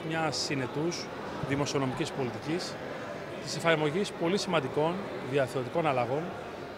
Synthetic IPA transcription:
mɲɐsine̞t̪uz | ðimo̞sio̞no̞micispo̞lit̪icis | t̪ise̞fɐɾmo̞ʝispo̞lisimɐnd̪iko̞n | ðiɐθo̞t̪iko̞nɐlɐɣo̞n

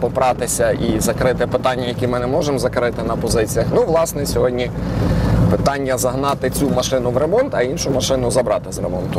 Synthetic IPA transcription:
pɔpɾɑt̪ɪsʲɐizɐkɾɪt̪ɪpɪt̪ɑnʲːɐjɐkʲimɪnɛmɔʒemzɐkɾɪt̪ɪnɐpɔzɪt͡sʲijɐxnuʋlˠɑsnɛsʲɔɦɔdʲnʲi | pɪt̪ɑnʲːɐzɐɦnɑt̪ɪt͡sʲumɐʃɪnʊʋɾe̞mɔnt̪ɐinʃʊmɐʃɪnʊzɐbɾɑt̪ɪzɾḛmɔnt̪ʊ

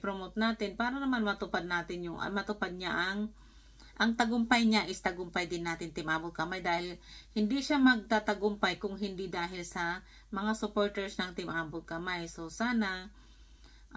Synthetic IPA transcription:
pɾomot̪naːt̪ɪnpaːɾɐnɐmanmɐt̪ʊpad̪̚naːt̪ɪnjʊŋʔmɐt̪ʊpad̪̚ɲaʔɐŋ | ʔɐŋt̪ɐɡʊmpajɲaʔɪst̪ɐɡʊmpajd̪ɪnːaːt̪ɪnt̪ɪmʔaːbʊt̪̚kɐmajd̪aːhɪlhɪnd̪iʃamɐɡ̚t̪aːt̪ɐɡʊmpajkʊŋɦɪnd̪ɪd̪aːɦɪlsɐ | mɐŋasʊpoɹt̪ɛɹsnɐŋt̪ɪmʔaːbʊt̪̚kɐmajsosaːna

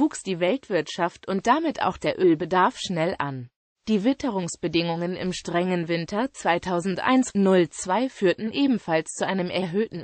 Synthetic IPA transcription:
vuːksd̥iːvɛltv̥ɪɐtʃaftʊnt̚d̥amɪta̰ʊxd̥eːɐʔøːlbədaɐfʃnɛlʔa̰n | d̥iːvɪtʰəʁʊŋsb̥ədɪŋʊŋənɪ̰mʃtʁ̥ɛŋənvɪntʰɐt͡sv̥aɪtʰaʊzn̩tʔa̰ɪnsnʊlt͡sv̥aɪfyːɐtn̩ʔeːbm̩falst͡suʔaɪnəmʔɛɐɦøːtn̩

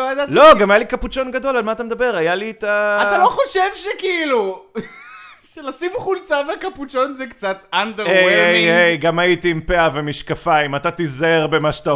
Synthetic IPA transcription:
lojad̪alo̞ɡamajalikaput͡ʃo̞nɡado̞lalmaːt̪amed̪abe̞ʁajalit̪aataloχo̞ʃevʃekiilu | ʃelasimχult͡savakaput͡ʃonzɛkt͡sat̪and̪eejeejejɡamaitiːmpeavemiʃkafaimat̪at̪izeʁbemaʃat̪a

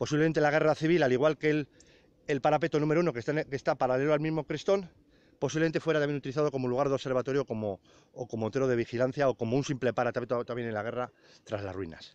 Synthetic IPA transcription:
po̞siβleme̞nt̪e̞laɣ̞e̞raθiβ̞ilaliɣwalke̞l | elpaɾape̞t̪onũmeɾounokekest̪apaɾale̞loalmizmo̞kɾist̪o̞n | po̞siβlement̪e̞fweɾat̪amje̞nut̪iliθaðo̞ko̞moluɣ̞aɾðo̞se̞ɾβat̪o̞ɾjo̞ko̞mo̞ː | ko̞mot̪e̞ɾo̞ð̞e̞βixilan̟θjao̞ko̞mounsimple̞paɾat̪aet̪t̪amjenenlaɣ̞e̞ra | t̪ɾazla̰zrwḭna̰s

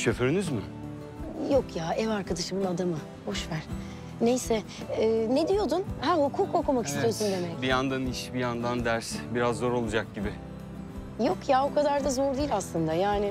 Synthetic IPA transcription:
ʃʰøfyɾynyzmɪ | jo̞kjaːɛvaɾkad̪aʃɯmɯnad̪amɯ | ho̞ʃvæɾ̥ | nejsɛ | ɛːned̪ijo̞d̪unhæhukʰuːko̞kumaki̥st̪ijosund̪e̞mɛcbijand̪aniʃbijand̪and̪æɾsbiɾazːo̞ɾo̞lˠud͡ʒak̚ɟibɪ | jo̞kjaokʰad̪aɾd̪azo̞ɾd̪iːlʲaslˠɯnd̪ajaːnɪ

